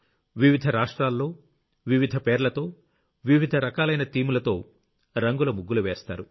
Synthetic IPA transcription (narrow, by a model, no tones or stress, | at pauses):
ʋiʋid̪ʱɐɾaːʂʈɾaːlːo̞ː | ʋiʋid̪ʱɐpeːɾlɐt̪o̞ː | ʋiʋid̪ʱɐɾɐkaːlɐjnɐt̪iːmulɐt̪o̞ː | ɾɐŋɡulɐmuɡːuluʋeːst̪a̰ːɾu